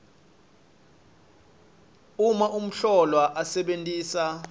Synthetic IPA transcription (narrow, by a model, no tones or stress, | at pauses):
umaʔum̩ɬɔlwaʔasɛɓentʼiːsa